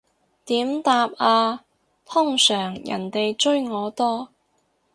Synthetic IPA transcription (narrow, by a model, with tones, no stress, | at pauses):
t̪iː˨˥mt̪aː˧p̚aː˧ | t̪ʰʊ˥ŋsœː˨˩ŋjɐ̰˨˩nt̪e˨jt͡ʃɵ˥ɥŋɔː˨˧t̪ɔː˥